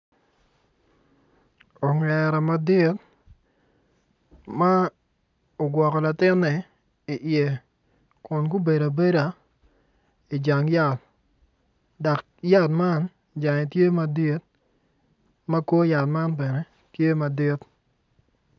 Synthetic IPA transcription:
o˨ŋɛ˨ɾa˨ma˨dɪ˦t | ma˦ | o˨ɡwɔ˨kɔ˨la˨tɪ˦nːɛ˨ | i˨ʔje˨ | kʊ˨nku˦be˨da˨be˦da˨ | i˨d͡ʒa˨ŋja˨t̚ | da˨k | ja˦tma˦n | d͡ʒa˨ŋɛ˨tje˦ma˨di˦t̪̚ | mɐ˦ko˦ja˨t̚ma˦npɛ˨nɛ˨ | tje˦ma˨dɪ˦t

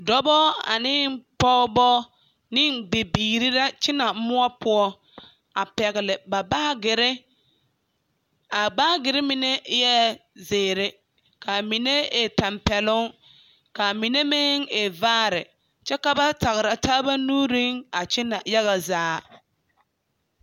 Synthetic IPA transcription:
dɔ˦bɔ˦a̰˨nɪ˦pɔ˦bɔ˦ | nɪ˦nbe˨biː˨ɾi˦ɾa˦t͡ʃɪ˦na˨˦mʊ˦ɔ˦pʊ˦ɔ˦ | a˨pɛ˨ɣɪ˨lɪ˨ba˨baː˦ɡɪ˨ɾɪ˦ | a˨ɡ͡baː˦ɡɪ˨ɾɪ˦mɪ˨ne˦jɛ˦zeː˨ɾɪ˦ | ka˨mi˨ne˦e˨ta˨mpɛ˨lʊ˦ŋ | ka˨mi˨ne˦mɪ˦ŋe˨vaː˦ɾɪ̰˨ | t͡ʃɛ˦ka˨ba˦ta˨ɣɪ˨ɾa˨taː˦ba˦nuː˦ɾi˦ŋa˨t͡ʃɪ˦na˨ja˦ɣa˨zaː˦

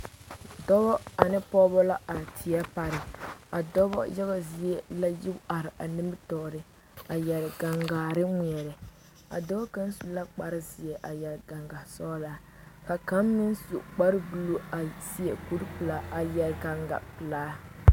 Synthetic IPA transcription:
dɔ˦bɔ˦a˨nɪ˦pɔ˦bɔ˦la˦ʔa˨tʰi˨a˦pa˦ɾɪ˨a˨dɔ˦bɔ̰˦jɛ˦ba˦zi˦ɛ˦la˦ji˦ba˨ɾɪ˨ʔa˨nɨ˦mbɨ˦tɔː˨ɾɪ˦ | a˨jɛ˨lɪ˨ɡa˨ŋɡaː˨ɾɪ˦ŋi˨ɛ˨ɾɪ˨ | a̰˨dɔ˦bɔ˦ka˦n˦su˨la˦k͡pa˦ɾɪ˦zi˨ɛ˨ʔa˨jɛ˨lɡa˨ŋɡa˨sɔ˦la˨ | ka˨ka˦mːi˦nsṵ˨ʔk͡pa˦ɾɨ˦bu˦lo˦a˨si˦ɛ˨ku˦ɾpɨ˨la˦a˨jɛ˨lɡa˦ŋɡa̰˨pɨ˨laː˦

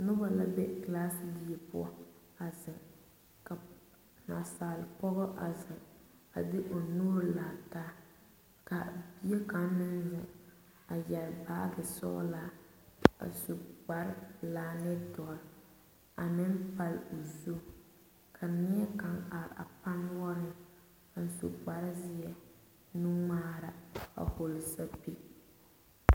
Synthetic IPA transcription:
nʊ˦ba˨la˦bɛ˦klaː˦sɪ˦di˦e˨pʊ˦ɔ˦ | a˨zɪ˨ŋ | ka˨ | na˨saː˨lɪ˨pɔ˦ɣɔ˦ʔa˨zɪ˨ŋ | a˨dɪ˦ʔo˨nuː˦ɾla˨taː˦ | ka˨bi˦e˦ka˦nmɪ˦n˦zʊ̰˨ | a˨jɛ˨lbaː˦ɡɪ˨sɔ̰˦la˦ | a̰˨su˨ɡ͡ba˦ɾlaː˦nɪ˦tɔ˨ɾ | a˨nɪ˦mpa˦lu˨zo˦ | kʰa˨nɪ˦ɛ˦ka˦ŋa˨ɾa̰˨pa˦n˦wɔ˦ɾɪ˦ŋ | a˨n̩˨sṵ˨ɡ͡ba˨ɾzɪ˦ɛ˨ | nu˦maː˦ɾa˦a̰˨ho˨lsa˦pi˦

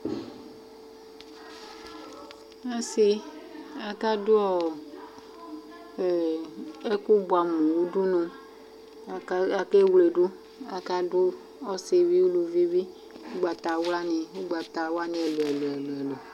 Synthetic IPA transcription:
a˦si˦ | a˨ka˦dʊ˦ɔ˦˨˦ | e˦ku˦bu˨a˨mũ˨wo˦ɖu˦nõ˨˦ | a˨ke˦wle˨ɖu˦ | a˨ka˦dʊ˦ | ɔ˦se˨vi˦wu˦lu˨vi˦vi˦ | wu˦ɡ͡ba˨t̪a˨wla˦nĩ˨wu˦ɡ͡ba˨t̪a˨wa˦nẽ˨˦ɛ˨lo˨e˨le˨lo˨e˨lo˨

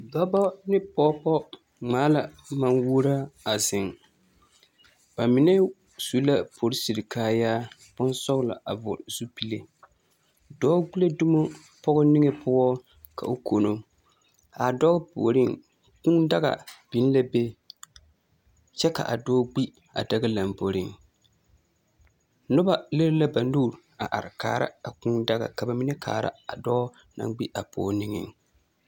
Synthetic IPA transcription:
ɡ͡ba˦bɔ˦nɪ˦pɔ˦pɔ˦ | ŋ͡maː˨˦la˨ | ma˦nwuː˦ɾa˦a˨zɪ˨ŋ | b̥a˨mɪ˨˦nɛ˦ | su˦la˦pʰo˨ɾɪ˦si˨ɾɪ˨kʰaː˦jaː˦ | b̥ʊ˦nsɔ˦ɣla̰˨ʔa˨vʊ̰˨ɾz̥u˦pi˦le˨ | dɔː˦ɡu˦le˦du˦mo˦ | pɔ˦ɣʊ˦nɪ˦ŋɛ˨pʰʊ˦ɔ˦ | kʰa̰˨o˨kʰo˨no˨ | a˨dɔ˦ɣpo̰˨ɾɪ˦˨ŋ | kʊ˦ŋda˦ɣa̰˨b̥i˨n˦la˦be˦ | t͡ʃɛ˦ka̰˨ʔa̰˨dɔː˦ɡ͡bi˦ | a̰˨da˦ɡa˦la˨mbo˨ɾɪ˦ŋ | nʊ˦ba˦le˦ɾla˦ba˨nuː˦˨ɾ | a˨ʔa˨ɾɪ˨ka̰ː˨ɾa̰˦a˨ku˦ŋda˦ɣa̰˨ka˨ba˨mi˦nɛ˦kʰa̰ː˨ɾa̰˦a˨dɔ˦ | na̰˦˨ŋɡ͡bi˦ʔa˨pʊ̰˨˦nɪ˦ŋɪ̰˨ŋ

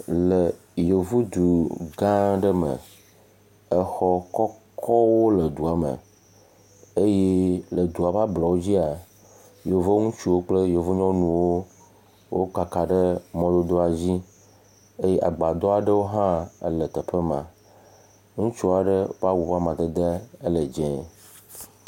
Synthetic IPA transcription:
lə˨ | jo˨vu˦d̪u˨ɡã˦ɖə˦mə̰˨ | ə˦xɔ˦kɔ˦kʰɔ˦wo˦lə˨d̪u˨a˨mə̰˨ | e˦je˦lə˨d̪u˨a˨va˦blɔ˨wo˦d͡ʑi˦a˨ | jo˨vo˦ŋũ˦t͡ʃu˦wo˦k͡plə˦jo˨vu˦ɲɔ̃˦nũ˨wo˦ | wo˦k͡pa˨ka˨ɖə˦mɔ̃˦d̪o˦d̪o˦a˨d͡ʑi˦ | e˦je˦ʔa̰˨ɡ͡ba˨d̪ɔ˦a˨ɖə˦wo˦ɦã̰˦lə˨t̪ə˨ɸə˦mã̰˨ | ŋũ˦t͡ʃu˦a˨ɖə˦va˦wu˨va˦mã˨t̪ə˨d̪ə˦ə˦lə˨d͡ʒɛ̃˨˦

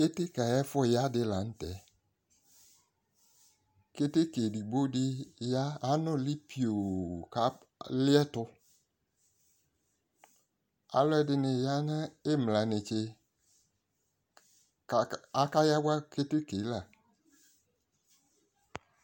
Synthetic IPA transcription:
ke˦te˦ka˨jɛ˦fʊ˦˨ja˦dɪ˧la˨n̩˦tɛ˨˦ | ke˦te˦ke˨di˨ɡ͡bo˦dɪ˦ja˦a˨˦nʊ̃˦lɪ˦pi˨o˨ka˨˦ | lɪ˦ɛ˦tʊ˦ | a̰˨˦lʊ˦ɛ˦dɪ˨nɪ˨ja˦na˦ɪ˦mla˨nɪ˨t͡ʃe˧˨ | a˦ka˦ja˦wa˦ke˦te˦ke˨˦la˨

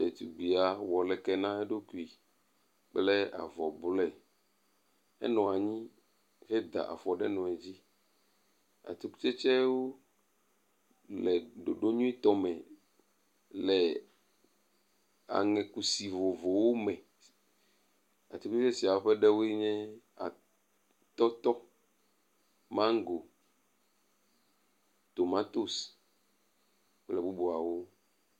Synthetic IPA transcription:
e˨t̪u˨ɡ͡bi˨a˨wɔ˨lɛ˨kɛ˦nã˦ɛ˦ɖo˦ku˨i˨ | k͡plɛ˦a̰˨vɔ˨blɛ˦˨ | ɛ̰˦nɔ̃˨a˨ɲĩ˦ | ɣɛ˦d̪a̰˨ʔa̰˨fɔ˨ɖɛ˦nɔ̃˨ɛ˨d͡ʑi˦ | a̰˨t̪i˦ku̥˦t͡ʃɛ˦t͡ʃɛ˦wo˦ | lɛ˨ɖo˨ɖo˦ɲũ˦i˦t̪ɔ˦mɛ̃˨ | lɛ˨ | a̰˨ŋɛ̃˨ku˦si˨vo˨vo˨wo˦mɛ̃˨ | a̰˨t̪i˦ku˦t͡ʃe˦ɛ˦si˨a˨wo˦ɸɛ˦ɖɛ˦wo˦e˦ɲɛ̃˦ | a̰˨ | t̪ɔ˦t̪ɔ˦ | mã˦ŋ˦ɡo˨ | t̪o˨ma˦t̪o˦s | plɛ˨bu˦bo˨a˨wo˦

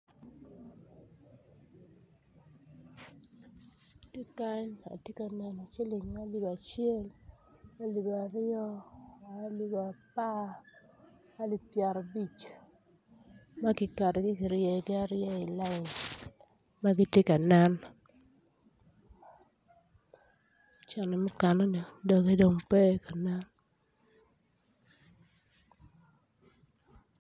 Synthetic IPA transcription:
ti˦ka˦ɲa̰˨tje˦ka˨nɛ˨na˨t͡ʃe˦li˨ŋma˦li˨ba˨t͡ʃɪe˦lma˦li˨ba˨ɾɪ˦ɔ˦˨˦ | li˨ba˨pa˦ | a˦li˨pja˨ɾɔ˨bi˦t͡ʃ | ma˦kɪ˨ka˨de˨ɡɪ˦kɪ˨ɾje˨ɡɪ˦a˨ɾɪjɔ˦ɪ˨la˦ɪ˨ɲ | ma˦ɡi˦tje˦ka˨na˦n | t͡ʃɛ˨nɛ˨mʊ˦kɛ˨nɔ˦ni˨do˨ke˦do˨ŋpɛ˦ka˨na˦n

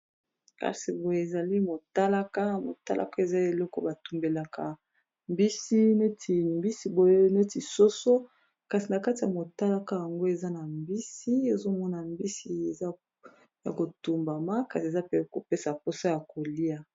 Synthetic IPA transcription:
ka̰˨si˨bo˨je˨e˨za˨li˦mo˨ta˦la˦ka˦mo̰˨ta̰˦lʔa̰˦ka˦e˨za˦e˨lɔ˦kɔ̰˦ba˨tu˨mbe˨la˨ka˨ | mbi˦si˦ne˦tʰi˨mbi˦si˦bo˨je˦ne˦ti˨so˦so˦ | ka˨si˨na˨ka˦ti˨ja˨mo˨ta˦la˦ka˦ja˨ŋɡo˦e˨za˦na˨mbi˦si˦e˦zo˦mɔ˦na˨mbi˦si˨e˨za˦ | ja̰˨ko˨tu˨mba˨ma˦ka˨si˨e˨za˦pe˦˨ko˨pe˦sa˨po˦sa˦ja˨ko˨li˦a˨

